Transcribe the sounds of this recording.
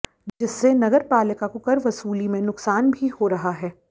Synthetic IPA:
d͡ʒɪsːenɐɡəɾpaːlɪkakokɐɾʋɐsuːlimẽnʊksaːnbʱihoɾɐɦaɦɛː

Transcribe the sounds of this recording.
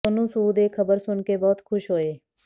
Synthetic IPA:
ʊnũsuːd̪eːkxəbəɾsʊnkebɔːt̪xʰʊʃɦoːeː

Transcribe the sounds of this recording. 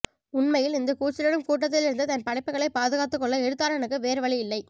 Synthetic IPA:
ʊnmɐjɪlɪnd̪ɐkuːt͡ʃːɪlɐɽɯmkuːʈ̬ːɐt̪ːɪlɪɾɯnd̪ɯt̪ɐnpɐɽɐɪpːɐɣɐɭɐɪpaːðɯɣaːt̪ːɯkːɔɭːɐɛɽɯt̪ːaːɾɛnɐkːɯʋeːɾɯʋɐɭiɪlːɐɪ

